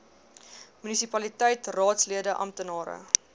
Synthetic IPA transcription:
mynisipɐlitɛjtrɑːtsliədəʔɐ̰mtənɑːɾə̰

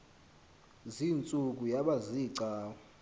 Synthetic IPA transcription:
zint͡sʼuk̬ʼujaɓaziːǀaːw

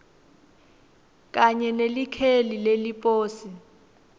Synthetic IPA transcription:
k̬ʼaɲɛnelikʰelilelipʼoːsi

